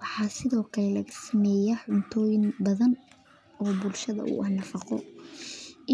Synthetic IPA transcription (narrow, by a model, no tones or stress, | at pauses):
wɑħɑːsɪðɔːkʰɐlɛlɐɣɐsɐmɛːjɐħʊnt̪ʰɔːjɪnbɐðɐn | ɔːbʊlʃɐðɐ̰ʔʊ̰ʔɐhnɐfɑqɔ | ɪ